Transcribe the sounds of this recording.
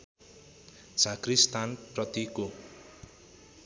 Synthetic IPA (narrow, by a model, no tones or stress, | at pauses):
t͡sʰakrist̪ʰanprʌt̪iko